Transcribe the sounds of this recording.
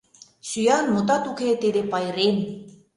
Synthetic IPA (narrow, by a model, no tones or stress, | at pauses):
syjɑnmot̪̬ɑt̪uket̪ed̪epɑjɾen